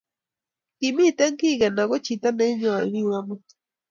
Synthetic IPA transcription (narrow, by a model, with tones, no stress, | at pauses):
ki˨mi˦˨tɛ˦ŋki˦˨ɣɛ˨na˨ɣo˦t͡ʃi˨ta˦nɛ˦ɲɔ˨a˨ɾi˦wa˦mɔ˦